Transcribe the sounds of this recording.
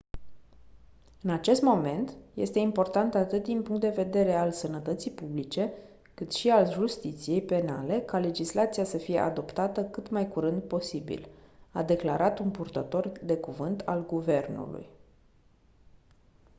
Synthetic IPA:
ɨnat͡ʃe̞st̪mo̞me̞nt̪je̞̰st̪e̞impo̞rt̪ant̪at̪ɨt̪̚d̪inpuŋkt̪d̪e̞ve̞d̪e̞ɾe̞alsənət̪ət̪sijpublit͡ʃe̞ | kɨt̪ʃialʒust̪it̪sije̞jpe̞nale̞kale̞d͡ʒislat̪sijasəfije̞ʔa̰d̪o̞pt̪at̪əkɨt̪majkuɾɨnd̪po̞sibḭlad̪e̞klaɾʔat̪unpurt̪ət̪o̞rd̪e̞kuvɨnt̪ʰa̰lɡuve̞rnṵlṵj

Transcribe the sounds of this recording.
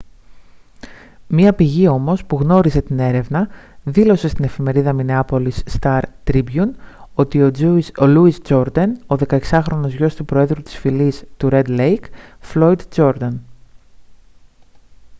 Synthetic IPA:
mɐpiʝio̞mo̞spuɣno̞ɾize̞t̪ine̞ɾe̞vnɐðilo̞se̞st̪ine̞fime̞ɾiðɐmine̞ɐpo̞lisːt̪ɐɾt̪ɾibjuno̞t̪iooluizd͡ʒo̞ɾd̪ɐnoðe̞kɐeksɐxɾo̞no̞zʝo̞st̪upɾoe̞ðɾut̪i̥sfilist̪uɾe̞d̪lejkflo̞id̪d͡ʒo̞ɾd̪ɐn

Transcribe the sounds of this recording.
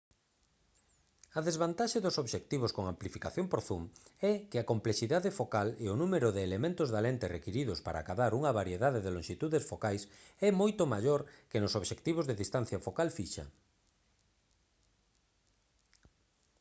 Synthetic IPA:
ɐðezβant̪aʃɐðʊsoβʃekt̪iβoskoŋamplifikaθjompoɾθumɛkɪɐkomplesiðaðɪfokaleʊnumeɾʊðɪːlemẽnt̪ʊzðalent̪ɪrekiɾiðʊspaɾa̰kaβaɾuŋɐβaɾjeðaðeðeloŋʃit̪uðesfokajsɛmojt̪ʊmaʎoɾkenʊsoβʃekt̪iβ̞ozðeðist̪an̟θjɐfokalfiʃɐ̰

